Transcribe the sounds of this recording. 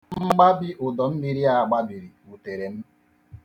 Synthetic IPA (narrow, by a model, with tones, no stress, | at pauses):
mm̩˦ɡ͡ba˦bi˦ʔʊ˨dɔ˨m̩˦mi˨ɾi˦a˨ɡ͡ba˦bi˨ɾi˨u˨te˨ɾe˨m̩˦